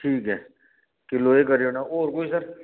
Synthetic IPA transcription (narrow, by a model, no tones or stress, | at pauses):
ʈʰiːkɦɛː | kiloːekɐɾijonaoːɾkoːisɐɾ